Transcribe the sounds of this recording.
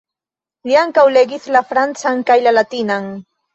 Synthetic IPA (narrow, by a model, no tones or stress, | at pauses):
ʎjaŋkawleɡɪθlafɾant͡saŋkajlalat̪ɪnaŋ